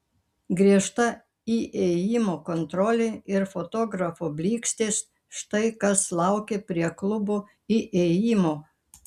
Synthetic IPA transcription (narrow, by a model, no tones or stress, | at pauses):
ɡɾʲiɛʃt̪ɐ | iːʔeːjiːmoːkont̪ɾɔːlʲeːɪɾfoːt̪oːɡɾɐfobʲlʲiːksʲt̪ʲeːs | ʃt̪ɐɪkɐslˠɐˑʊkʲepʲɾʲiɛklˠʊboː | iːʔejiːmoː